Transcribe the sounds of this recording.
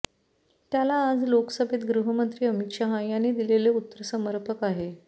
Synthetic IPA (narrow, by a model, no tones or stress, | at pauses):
t̪jalaːd͡zlokəsəbʱet̪ɡɾuɦəmənt̪ɾiːəmit̪ɕaɦajañːiːd̪ileleut̪ːəɾəsəməɾpʰəkaɦe